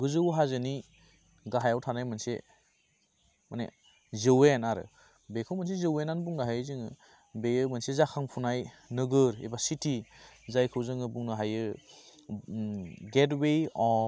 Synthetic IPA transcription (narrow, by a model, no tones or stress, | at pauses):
ɡɯzɯwɦazɯni | ɡaɦajawtʰanajmanse | manḛ | zɯwenaɾɯ̰ | bekʰɯwmans̬ezɯwenanbuŋnaɦajɯzɯŋɯ | bejɯmansezakʰaŋpʰunaj | nɯɡɯɾḛbasitʰizajkʰɯwzɯŋɯbuŋnɯɦajɯ | ɡetwejɔ